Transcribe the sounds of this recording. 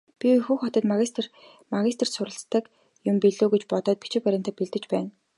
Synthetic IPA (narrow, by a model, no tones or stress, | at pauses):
pʲixuːxɔt̪ɞ̆t̪maɣʲist̪r | maɣʲist̪̆ʰrsʊɾə̆ɬt͡st̪ːə̆k | jʊmpiɮoːɡet͡ɕpɔt̪ɔːt̪̚pit͡ɕɪ̆kpæɾʲɪ̆ːnt̪aːpiɮt̪ɘ̆t͡ɕpæːn